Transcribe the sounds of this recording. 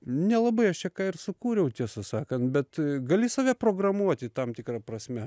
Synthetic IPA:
nʲɛlˠɐbɐɪɐʃt͡ʃʲɛkɑːɪrsʊkuːɾʲɛʊt̪ʲiɛsɐsɑːkɐnt̪bʲɛt̪ɡɐlʲɪsɐːʋʲɛpɾoːɡrɐmuɔt̪ʲɪt̪ɐmt̪ʲɪkrɑːpɾɐsʲmʲɛ

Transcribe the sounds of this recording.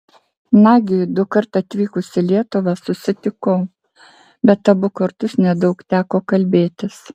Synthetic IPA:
nɑːɡʲɪd̪ʊkɐɾt̪ɐt̪ʲʋʲiːkʊsʲɪlʲiɛt̪ʊʋɑsʊsʲɪt̪ʲɪkoʊ | bʲɛt̪ːɐbʊkɐɾt̪ʊsnʲɛd̪ɒʊkt̪ʲæːkoːkɐlʲbʲeːt̪ʲɪs

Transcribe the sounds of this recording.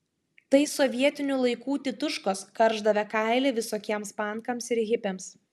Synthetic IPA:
t̪ɐɪsɔʋʲiɛt̪ʲɪnʲʊlˠɐɪkuːt̪ʲɪt̪ʊʃkoːskɐɾʒd̪ɐʋʲɛkɑˑɪlʲeʋʲɪsoːkʲiɛmspɑˑŋkɐmsɪɾɣʲɪpʲems

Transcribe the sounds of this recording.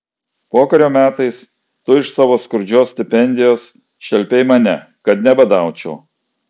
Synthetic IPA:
poːkɐɾʲoːmʲæːt̪ɐɪs | t̪ʊɪʃsɑːʋoːskʊɾʲd͡ʒʲoːsʲt̪ʲɪpʲɛnʲd̪ʲɪjoːs | ʃʲɛlʲpʲɛɪmɐnʲɛ | kɐt̪nʲɛbɐd̪ɑˑʊt͡ʃʲɛʊ

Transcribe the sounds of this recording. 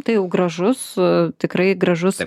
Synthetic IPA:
t̪ɐɪjɛʊɡɾɐʒʊst̪ʲɪkɾɐɪɡɾɐʒʊs

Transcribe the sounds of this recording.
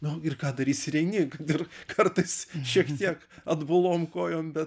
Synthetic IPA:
nʊɪrkɑːd̪ɐɾʲiːsʲɪɾʲɛɪnʲɪkɐtɪrkʰɐrt̪ɐɪsʃʲiɛktt̪ʲiɛk | ɐd̪bʊlˠoːmkoːjoːmbʲɛt̪

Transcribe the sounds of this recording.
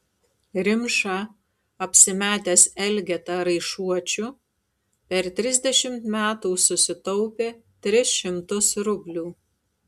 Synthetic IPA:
ɾʲɪmʃɑ | ɐpʲsʲɪmʲæːt̪ʲɛsɛlʲɡʲɛt̪ɐɾɐɪʃuɔt͡ʃʲʊ | pʲɛɾt̪ʲɾʲɪzʲd̪ʲɛʃʲɪmt̪mʲæːt̪uːsʊsʲɪt̪ɔʊpʲeːt̪ʲɾʲɪsʃʲɪmt̪ʊsɾʊbʲlʲuː

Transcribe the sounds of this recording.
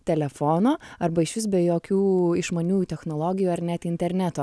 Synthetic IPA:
t̪ʲɛlʲɛfoːnoːɐrbɐɪʃʋʲɪsbʲɛjoːkʲuːɪʃmɐnʲuːjut̪ʲɛxnoːlˠoːɡʲɪjuːɐɾnʲɛt̪ɪnʲt̪ʲɛɾʲnʲæːt̪oː

